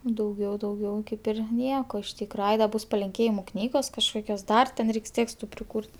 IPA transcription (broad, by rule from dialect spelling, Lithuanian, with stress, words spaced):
dɐʊˈɡʲɛʊ dɐʊˈɡʲɛʊ ˈkɐɪp ɪr ˈnʲiɛkoː ɪʃ ˈtʲiːkrɐ ˈɐɪ dɐ ˈbʊs pɐlʲɪŋʲˈkʲeːjɪmʊ ˈknʲiːɡoːs kɐʃˈkoːkʲoːs ˈdɐr tʲɛn ˈrʲɛɪks ˈtʲeːkstʊ pʲrʲɪˈkuːrʲtʲ